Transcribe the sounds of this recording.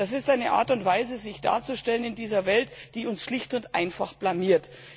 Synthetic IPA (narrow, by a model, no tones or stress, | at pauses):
asɪstʔaɪnəʔa̰ːɐtʊntv̥aɪzəzɪçd̥a̰ːɐt͡suʃtɛlənɪndiːzɐvɛltd̥iːʊnsʃlɪçtʊntʔa̰ɪnfaχb̥lamiːɐt